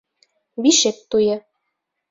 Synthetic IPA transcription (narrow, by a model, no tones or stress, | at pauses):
βiʃek̚t̪ujɤ̆